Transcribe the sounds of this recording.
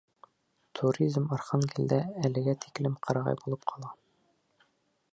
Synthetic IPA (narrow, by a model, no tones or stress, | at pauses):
t̪ʰuɾʲizmɒɾχɑnɡild̪æːlɘ̆ɡæt̪ʰi̥klɘmqʰɒɾɑʁɑ̰jbulˠɤpqʰɒlˠɑ